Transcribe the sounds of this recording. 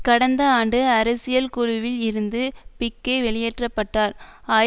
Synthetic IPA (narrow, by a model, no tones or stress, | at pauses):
kɐɽɐnd̪ɐaːɳɖɯɐɾɐsɪjɐlkʊɻʊʋɪlɪɾɯnd̪ɯpɪkːeʋɛɭɪjɛʈrɐpːɐʈːaːɾaː